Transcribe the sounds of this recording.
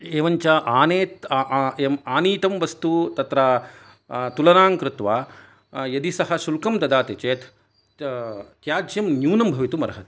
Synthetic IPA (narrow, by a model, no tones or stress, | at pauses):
eːʋɐɲt͡ʃɐʔaːneːt̪emaːniːt̪ɐmʋɐst̪ut̪ɐt̪ɾɐ | t̪ulɐnaːŋkɾɪt̪ʋaː | jɐd̪isɐɦɐ̆ʃulkɐmd̪ɐd̪aːt̪et͡ʃeːt̪ | t̪jaːd͡ʒjɐmnjuːnɐmbʱɐʋit̪umɐɾɐɦɐt̪i̥